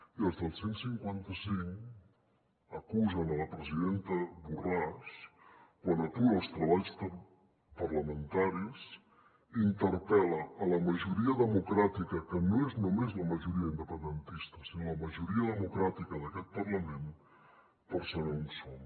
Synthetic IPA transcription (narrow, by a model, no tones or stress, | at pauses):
iəlˠzðəlˠsensiŋkwant̪əsiŋ | əkuzənələpɾəziðent̪əβuraskwanət̪uəlˠst̪ɾəβaʎsə | pərləmənt̪aɾis | int̪əɾpɛləːləməʒuɾiəðəmukɾat̪ikəkənoeznumezləməʒuɾiəind̪əpənd̪ənt̪ist̪əsinoləməʒuɾiəðəmukɾat̪ikəðəkɛt̪̚pərləmen | pəɾsənaunso